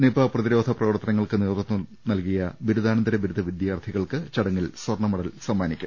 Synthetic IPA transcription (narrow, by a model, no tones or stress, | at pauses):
nepɐprɐðiɾo̞ːd̪ʱɐprɐʋɐrt̪ːɐnɐŋːɐɭkɨniːrt̪unːu | nɐlkijɐbiɾud̪aːnɐnd̪ɐɾɐbiɾud̪ʱɐʋid̪jaːrt̪ʰiɣɐɭkɨt͡ɕɐɽɐŋːilswɐrɳɐmuɽɐlsɐmːaːnikʲːu